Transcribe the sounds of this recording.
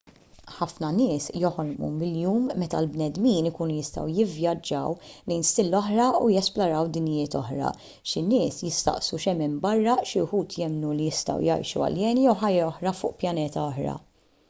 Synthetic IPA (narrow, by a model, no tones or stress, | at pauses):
ħɐfnɐnɪːsjɔħɔɾmṵmɪljuːmːɛt̪ɐ̰lbnɛd̪miːnɪkuːnujɪst̪ɐ̰wjɪvjɐd͡ʒːɐ̰wlɛjnst̪ɪlːɔħɾɐujɛsplɔɾɐwd̪ɪnjɪːt̪ɔ̰ħɾɐ̰ | ʃɪnɪːsjɪst̪ɐ̰ʔsuʃɛmɪmbɐrːɐʃɪʊħuːt̪ʰjɛmnulijɪst̪ɐ̰wjɐ̰jʃṵɐ̰ljɛːnjɛwħɐjːɛɔħɾɐfʊːʔpjɐnɛːt̪ɐɔħɾɐ̰